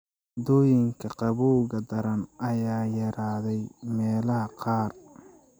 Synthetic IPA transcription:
d̪ɔːjɪŋkʰɐqɑβuːɣɐd̪ɐɾɐnʔɐjaːjɐɾaːðɛjmɛːlɐɦɐqɑːr

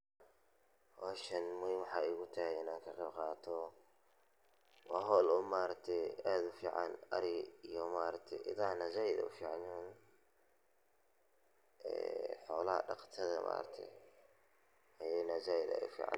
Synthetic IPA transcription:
waʃɐnmɔwɑħɑːɪɣʊt̪ʰɐhɛɪnaːŋkʰɐqɛbqɑːt̪ʰɔ | wɑɦɔlʊmaːɾɐk̚t̪ʰɛad̪ʊfiːʕɑ̰nɐ̰ɾɪijɔmaːɾɐkt̪ʰɛʔɪðanɐzaːjɪd̪ɐ̰ʊfiːʕɑnn | ɛ̰ːħɔːlɐhɐ̰ɖɑ̰qt̪ʰɐðɐ̰mʔa̰ːɾɐ̰t̪ʰɛ̰ | hɐjɛjnɐzaːjɪd̪ɐ̰ɛ̰ʊfḭːʕɑ̰n

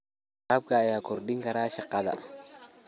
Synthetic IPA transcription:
qab̚kaːjaːkɔɾɗɪŋkɐɾaːʃɪqːɐðɐ̰

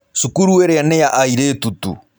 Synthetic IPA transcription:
sukuɾueɾɛjanɛjaʔaiɾetutṵ

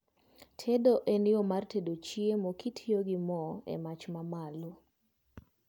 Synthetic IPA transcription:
tʰedoʔenɪomartʰedot͡ʃiemokitʰijoɡɪmɔḛmat͡ʃmamalo

